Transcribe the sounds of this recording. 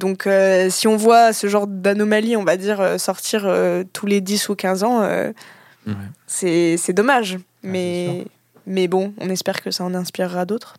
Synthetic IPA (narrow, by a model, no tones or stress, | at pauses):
d̪ɔ̃kʰøsiɔ̃vwasəʒɑ̃ʁd̪anɔmaliɔ̃vad̪iʁøsɔʁt̪ʰiʁøt̪ʰuled̪isukʲɛ̃zɑ̃ø̰ | sɛsɛd̪ɔmaʒ | mɛ | mɛbɔ̃ɔ̰̃nɛspɛʁkəsaɑ̃nɛ̃spiʁːad̪ot̪χ